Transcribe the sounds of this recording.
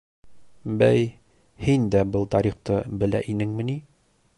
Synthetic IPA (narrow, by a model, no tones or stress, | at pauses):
bæj | hind̪æbɤlˠt̪ɑɾiχt̪ɤbɘ̆læ̰ʔinɘŋmɘ̆ni